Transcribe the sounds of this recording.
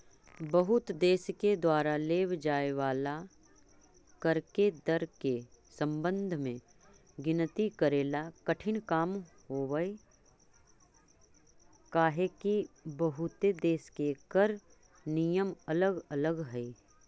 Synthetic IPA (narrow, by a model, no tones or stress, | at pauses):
bəɦʊt̪d̪eːsked̪waːɾaleːwd͡ʒaːeʋaːla | kəɾked̪əɾkesə̃mbə̃nd̪ʱmẽ | ɡɪnt̪ikəɾeːlakəʈʰɪnkaːm | ɦoːwəi | kaːɦekibəɦʊt̪ed̪eːskekəɾ | nijəmɐləɡɐləɡɦɛi